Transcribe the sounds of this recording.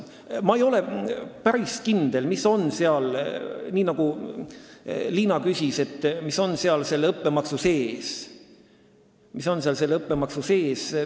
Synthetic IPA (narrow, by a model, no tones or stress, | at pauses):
mɑejo̞le̞pæɾiskind̪̥e̞lmisːo̞nseɑlniːnɑɡ̥u | liːnɑkysʲise̞t̪ːmiso̞nseɑlse̞lːɤpːe̞mɑksuse̞ːs | miso̞nseɑlse̞lɤpːemɑksuse̞ːs